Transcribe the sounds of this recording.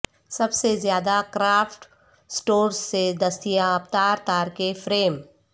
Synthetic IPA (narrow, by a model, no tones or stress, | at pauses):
sɐbsezjaːd̪akɾaːfʈ | sʈoːɾsːed̪ɐst̪ijaɐpt̪aːɾt̪aːɾkefɾeːm